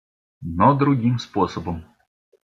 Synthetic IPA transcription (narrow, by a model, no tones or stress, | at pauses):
nɔd̪ɾʊɣʲimspɔsɔbɔm